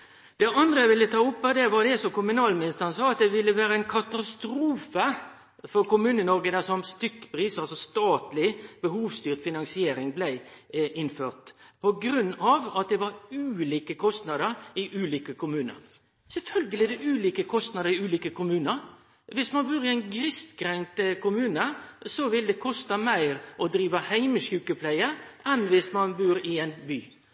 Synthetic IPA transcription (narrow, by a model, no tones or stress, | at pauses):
d̪̥ɛʔɑnd̪ɾəæʋɪlːət̪ʰɑːʊpːɛd̪ɛʋɑd̪ɛsɔmkʊmʉnɑːlmɪnɪst̪əɾənsɑːɑt̪̚d̪ɛʋɪlːəʋæːɾəæɪnkʰɑt̪ɑst̪ɾuːfə | fɔɾkʊmʉːnənɔɾɡəd̪æsɔmst̪ʏkːpɾiːsɑlsɔst̪ɑːt̪lɪb̥əɦuːʋst̪yːʁt̪fɪnɑŋsɪeːɾɪŋblæɪʔɪnːføːʁt̪pʰɔɡɾʉnːɑʋɑt̪̚d̪ɛʋɑɾʉːliːkəkʰɔst̪nɑd̪əɾɪʔʉːliːkəkʊmʉːnə̰ɾ | sɛlfœlɡəlɪd̪ɛʔʉːliːkəkʰɔst̪nɑd̪əɾɪʉːliːkəkʰʊmʉːnəɾ | ʋɪsmɑnbʉːɾɪɛæɪnɡɾɪskɾɛŋt̪əkʰʊmʉːnəsɔʋɪld̪ɛkʰɔst̪əmæɪɾʔɔd̪ɾiːʋəhæɪməʃjʉːkəpʰlæɪəʔɛnʋɪsmɑnbʉːɾɪɛɪnbyː